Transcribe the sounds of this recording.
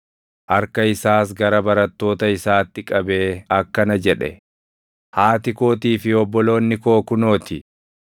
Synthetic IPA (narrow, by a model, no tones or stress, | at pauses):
ʔɐɾkɐɪsaːs̬ɡɐɾɐbɐɾɐt̪ːo̞ːt̪ɐɪsaːt̪ːɪkʼɐbe̞ːɐkːɐnɐd͡ʒɛᶑɛ̰ | haːt̪ɪko̞ːt̪iːfɪɔbːɔlo̞ːnːɪko̞ːkʊno̞ːt̪ɪ